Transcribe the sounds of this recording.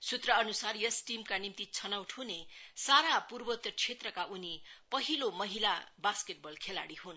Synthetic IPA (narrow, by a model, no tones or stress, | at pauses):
sut̪rʌʌnusarjʌsʈimkanimt̪it͡sʰʌnawʈʰhunesaɾapurbʌt̪jʌt͡sʰet̪rʌkaunipʌɦilomʌɦilabaskeʈ̚bʌlkʰelaɽiɦun